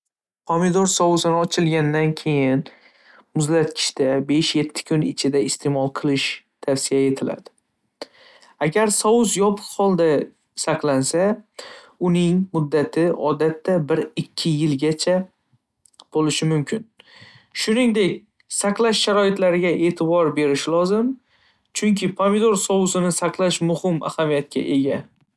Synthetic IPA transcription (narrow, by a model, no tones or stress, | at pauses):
qʰomid̪oɾsɒwʊzɪnɪɒt͡ʃʰɪlɡʲand̪ankʲʰe̞jɪn | mʊzlat̪kʲʰɪ̥ʃt̪abe̞ʃje̞t̪ʰːɪ̥kʰʊnɪt͡ʃʰɪd̪aɪst̪ʰe̞mɒlˠqʰɨlˠɪʃ | t̪ʰafsijae̞t̪ʰɪla̰d̪ɪ | aɡʲaɾsɒʊzjɒpʰʊ̥qhɒlˠd̪a | saqlansa | ʊnɪŋmʊd̪ːat̪ʰɪʔɒd̪at̪ːabɪɾɪkʲʰːɪjɪlɡʲat͡ʃʰa | b̥olɪʃɪmʊmkʲʰɪn | ʃʊnɪŋd̪e̞kʲ | saqlˠaʃːaɾɒɪt̪laɾɪɡʲaʔe̞ːt̪ʰɪbɒɾbe̞ɾɪʃɪlˠɒzɪm | t͡ʃʰʊŋkʲʰɪpʰamɪd̪oɾsɒwʊsɪnɪsaqlˠaʃmʊhɪma̰hamijat̪̚kʲʰa̰ʔe̞ɡʲa